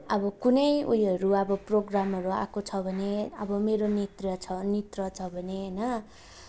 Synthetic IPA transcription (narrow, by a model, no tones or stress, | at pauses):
ʌbʌkunʌjujʌɾuʌbʌproɡramɦʌɾua̰kot͡sʰʌbʱʌneʌ̰bʌmeɾonet̪rjʌt͡sʰʌnit̪rʌt͡sʰʌbʱʌneʌnʌ